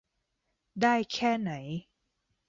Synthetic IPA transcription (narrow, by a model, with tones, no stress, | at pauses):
daː˥˩jkʰɛː˥˩na˩˦j